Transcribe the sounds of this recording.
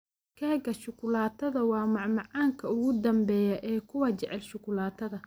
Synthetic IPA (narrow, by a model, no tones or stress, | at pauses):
kʰɛːɡɐʃʊkʰʊlaːt̪ʰɐðɐwɑːmɑʕmɑʕɑːŋkʰɐʊɣʊd̪ɐmbɛːjɐʔɛːkʰʊwɐt͡ʃɛʕɛlʃʊkʰʊlaːt̪ʰɐðɐ